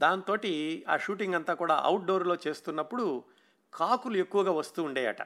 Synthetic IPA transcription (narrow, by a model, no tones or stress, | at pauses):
d̪aːnt̪o̞ːʈia̰ːʃuːʈiŋɡɐnt̪aːkuːɽa̰ːʔɐ̰wʈ̚ɖo̞ːɾlo̞ːt͡ʃe̞ːst̪unːɐpːuɽu | kʰaːkulue̞kːuʋɐɡaːʋɐst̪uːɳɖeːjɐ̰ʈɐ̰